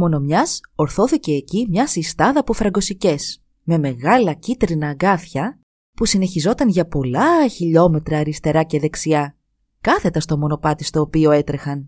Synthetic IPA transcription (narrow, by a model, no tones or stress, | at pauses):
mo̞no̞mɲɐso̞ɾθo̞θice̞ːcimɲɐsist̪ɐðɐpufɾɐɡo̞sice̞s | me̞me̞ɣɐlɐcit̪ɾinɐːɡɐθçɐ | pusine̞çizo̞t̪ɐnʝɐpo̞lɐçiʎo̞me̞t̪ɾɐːɾist̪e̞ɾɐce̞ðe̞ksiɐ | kɐθe̞t̪ɐst̪o̞mo̞no̞pɐt̪ist̪o̞ːpio̞e̞t̪ɾe̞xɐn